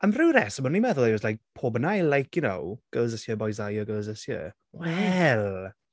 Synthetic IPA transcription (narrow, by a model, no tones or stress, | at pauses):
əmrɨwɾɛsəmənimɛðʊlˠavɔzlajk̚pʰoːbənajlajkʰjʊnowɡ̥oːzəsjəbɔjzajɔɡowzəsjə̰ | wɛlˠ